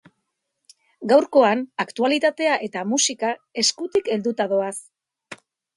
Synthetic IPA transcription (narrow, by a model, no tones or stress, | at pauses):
ɡawɾko̞anakt̪ualit̪at̪e̞aʔe̞t̪amusikae̞skut̪ike̞ld̪ut̪aðo̞as